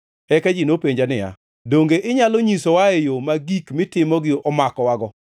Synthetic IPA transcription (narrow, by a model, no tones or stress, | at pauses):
ɛkad͡ʒinopeɲd͡ʒanɪja̰ | doŋɡeʔɪɲaloɲisowaejomaɡikmɪtɪmɔɡɪʔɔmakɔwaɡɔ